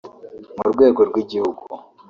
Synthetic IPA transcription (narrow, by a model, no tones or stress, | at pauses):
muɾɡwe̞ːɡo̞ɾɡwiɟihuɡu